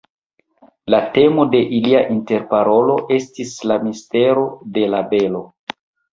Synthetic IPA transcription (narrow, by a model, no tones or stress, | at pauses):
late̞mo̞de̞ʔiliaʔinte̞ɾpaɾo̞lo̞ʔe̞stislamiste̞ɾo̞de̞labe̞lo̞